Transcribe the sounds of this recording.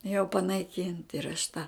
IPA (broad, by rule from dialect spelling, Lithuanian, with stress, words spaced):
jɛʊ pɐnɐɪˈkʲiːnt ɪr ɐʃ tɐ